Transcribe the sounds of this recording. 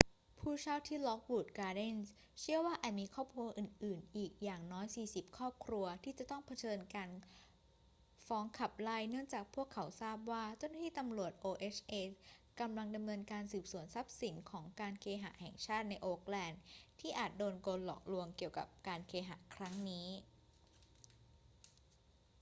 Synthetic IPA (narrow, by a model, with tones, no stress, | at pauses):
pʰuː˥˩t͡ɕʰaː˥˩wt̪ʰiː˥˩lɔ˦˥k̚wuː˨˩t̪̚kaː˧de˥˩ns | t͡ɕʰi˥˩əwaː˥˩ʔaː˨˩t̪̚miː˧kʰɔː˥˩p̚kʰɾu˧ɐʔɯː˨˩nʔɯː˨˩nʔiː˨˩k̚jaː˨˩ŋnɔː˦˥jsiː˨˩si˨˩p̚kʰɔː˥˩p̚kʰɾu˧ɐt̪ʰiː˥˩t͡ɕa˨˩t̪ɔ˥˩ŋpʰa˧t͡ɕʰɤː˧nkaː˧n | fɔː˦˥ŋkʰa˨˩p̚la˥˩jnɯ˥˩əŋt͡ɕaː˨˩k̚pʰu˥˩əkʰːa˩˦wsaː˥˩p̚waː˥˩t͡ɕa˥˩na˥t̪ʰiː˥˩t̪a˧mɾu˨˩ət̪̚ʔoː˧ʔe˦˥t͡ɕʰʔeː˦˧ka˧mla˧ŋda˧mnɤː˧nkaː˧nsɯː˨˩p̚su˩˦ənsa˦˥p̚si˩˦nkʰɔː˩˦ŋkaː˧nkʰeː˧ɦa̰˩˦hɛ̰˨˩ŋt͡ɕʰaː˥˩t̪̚na˧jʔoː˧k̚lɛː˧nt̪ʰiː˥˩ʔaː˨˩t̪̚doː˧nkoː˧nlɔ̰ː˨˩k̚lu˧əŋki˨˩əwka̰˨˩p̚kaː˧nkʰeː˧ɦa̰˩˦kʰɾa˦˥ŋniː˦˥